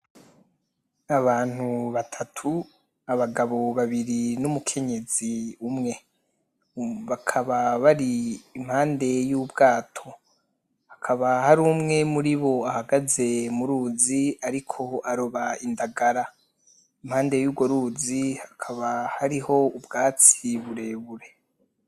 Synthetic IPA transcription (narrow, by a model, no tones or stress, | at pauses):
aβaːn̥huβatʰatʰu | aβaɡaβo̞βaβiɾinumukʰe̞ɲe̞ziumŋe̞ | βakʰaβaβaɾiːm̥haːnde̞juːbɡaːtʰo̞ | hakʰaβahaɾuːmŋe̞muɾiβo̞ahaɡaze̞muɾuːziaɾikʰo̞aɾoβaindaɡaɾa | imhaːnde̞juːbɡoɾuːzihakʰaβahaɾiho̞ubɡaːt͡siβuɾe̞ːβuɾe̞